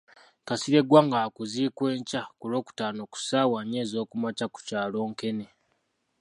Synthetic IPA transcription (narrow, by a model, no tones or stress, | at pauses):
kasiɾe̞ɡwaŋɡakuzikwe̞ːɲcakulo̞ːku̥taːno̞ku̥saːwaɲeːzo̞ːkumacaku̥caːlo̞ːŋke̞ne